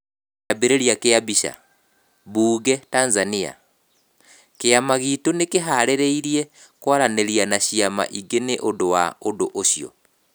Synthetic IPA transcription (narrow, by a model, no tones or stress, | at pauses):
abeɾeɾjakeabiɕa̰ | βuːɡɛtanzania̰ | keamaɣitonekeɦaɾeɾeiɾiɛ | kwaɾaneɾianaɕiama̰ʔiɡeneʔondowa̰odoʔoɕiɔ̰